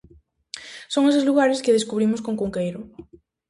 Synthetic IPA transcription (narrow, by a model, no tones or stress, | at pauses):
soŋesezluɣ̞aɾeskeðeskuβ̞ɾimoskoŋkuŋkejɾʊ